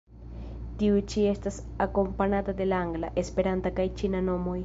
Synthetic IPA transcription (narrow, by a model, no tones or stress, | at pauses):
t̪iut͡ʃiest̪as | akompanad̪ad̪elaŋɡlaʔespeɾand̪akajt͡ʃinanomoj